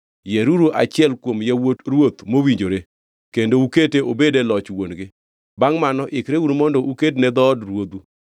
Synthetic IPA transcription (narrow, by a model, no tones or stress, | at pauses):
jɛɾuɾuʔa̰t͡ʃɪɛlkwomjawotɾwot̪mowiɲd͡ʒoɾe | kendouketeʔobedelɔt͡ʃwonɡɪ | baŋmanɔʔɪkɾewunmɔndɔʔukednɛd̪ɔːdɾwod̪u